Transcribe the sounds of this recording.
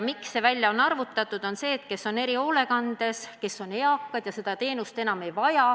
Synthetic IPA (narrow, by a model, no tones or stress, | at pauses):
miksːe̞vælʲjɑonɑrvut̪ːˑɑt̪ːˑud̪̥o̞nse̞ːt̪̚ke̞sːo̞ne̞ɾio̞ːle̞kɑnd̪̥e̞ske̞sːo̞ne̞ɑkːˑɑd̪jɑse̞d̪̥ɑt̪e̞ːnust̪e̞nɑme̞jvɑjɑ